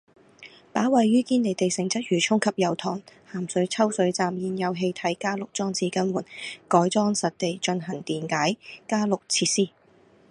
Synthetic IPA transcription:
paː˨˥wɐ˨jːyː˥kiː˥nle˨jt̪e˨jsɪ˨˩ŋt͡sɐ˥t̚ɥyː˨˩t͡ʃʰʊ˥ŋkʰɐ˨p̚jɐ˨˩wt̪ʰɔː˨˩ŋhaː˨˩msɵ˨˥ɥt͡sʰɐ˥wsɵ˨˥ɥt͡saː˨mjiː˨njɐ˨˧wɦe˧jt̪ʰɐ˨˥jkaː˥lʊ˨k̚t͡sɔː˥ŋt͡sʰiː˧˥kɐ˥nwuː˨˩nkɔː˨˥jt͡sɔː˥ŋsɐ˨t̚t̪e˨jt͡ʃɵ˧nɦɐ˨˩ŋt̪iː˨nkaː˨˥jkaː˥lʊ˨k̚t͡sʰiː˧˥t̚siː˥

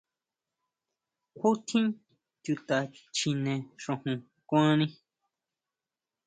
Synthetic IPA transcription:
kʷʰu˦t̪ʰĩ˦ | t̪ju˧t̪a˨t͡ʃi˧nẽ˧ʂõ˧hũ˧ | kʷã˦nĩ˦

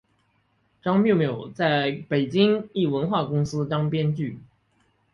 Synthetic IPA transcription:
ʈ͡ʂɑ˥ŋmjo˥˩ʊmjo˨˩ʊt͡sa˥˩ɪpe˨˩ɪt͡ɕi˥ŋi˥˩wə˧˥nxwa˥˩kʊ˥ŋsɹ̩˥t̪ɑ˥ŋpjɛ˥nt͡ɕy˥˩

